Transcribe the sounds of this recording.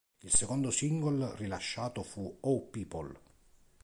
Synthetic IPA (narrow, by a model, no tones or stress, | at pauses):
ilsekond̪osiŋɡolrilaʃːaːt̪ofuopiːpol